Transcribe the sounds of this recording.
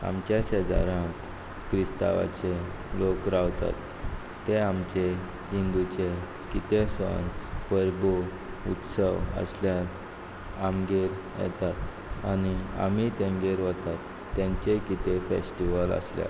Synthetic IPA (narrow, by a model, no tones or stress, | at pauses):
a̰mt͡ɕased͡za̰ɾãk | kɾist̪a̰ʋa̰t͡ɕe | lokɾaʋt̪a̰t̪ː | eamt͡ɕe | ɦind̪ut͡ɕe | kit̪esə̰npəɾbu | ut̪səʋə̰sljaɾ | amɡeɾ | jɛ̰t̪at̪ | ania̰m̤it̪ẽmɡeɾʋət̪at̪ːjãɲt͡ɕekit̪efḛsʈiʋələ̰slja̰ɾ